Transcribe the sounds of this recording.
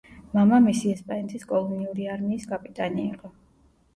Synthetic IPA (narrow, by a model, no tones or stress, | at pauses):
mamamisiɛspʼanɛt̪ʰʼiskʼɔlˠɔniuɾiaɾmiːskʼapʼit̪ʼaniːqʼɔ